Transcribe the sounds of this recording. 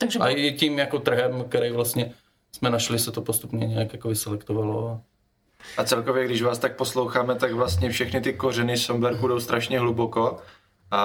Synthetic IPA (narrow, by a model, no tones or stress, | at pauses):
t̪aɡʒɛʔjɛcimjakot̪r̩ɦɛmk̚t̪ɛɾɛjvlast̪ɲɛ | smɛnaʃlɪsɛt̪opost̪upɲɛɲɛjakjakovɪsɛlɛkt̪ovaloa | ʔat͡sɛlkovjɛɡdɪʒvaːst̪ak̚poslowxaːmɛt̪aɡvlast̪ɲɛfʃɛxnɪt̪ɪkorɛnɪssombɛɾkudowst̪ɾaʃɲɛɦluboko | a